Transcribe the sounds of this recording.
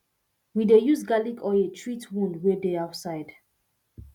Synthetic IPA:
widejusɡalikʰɔetʰɹitwũndwɛdeaʊtsaɪd

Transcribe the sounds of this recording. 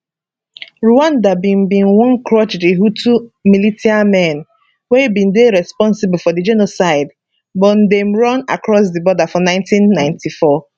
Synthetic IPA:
ɹuãndabĩmbĩnwɔ̃nkɹɔt͡ʃdiɦutʰumilitiamɛ̃n | webĩndeɹɛspɔ̃nsibl̩ˠfɔdid͡ʒenosaɪd | bɔn̩demɹɔ̃na̰kɹɔs̬dibɔdafɔnãɪ̃ntĩnːãɪ̃ntʰifɔ

